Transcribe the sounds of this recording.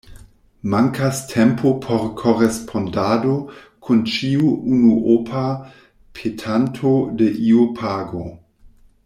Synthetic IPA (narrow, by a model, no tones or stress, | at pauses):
maŋkʰastʰempʰopʰoɾkʰoɾespʰondado | kʰunt͡ʃiuunuʔopʰa | pʰetʰantʰode̞ʔiupʰaːɡo